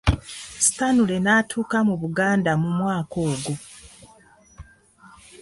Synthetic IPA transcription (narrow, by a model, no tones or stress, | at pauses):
si̥tanule̞naːtʰuːkamuβuɡaːndamumwaːko̞ːɡo